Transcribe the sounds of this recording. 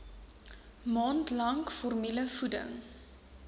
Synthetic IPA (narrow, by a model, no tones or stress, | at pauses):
mɑːntlɐŋkfɔrmiləfudə̰ŋ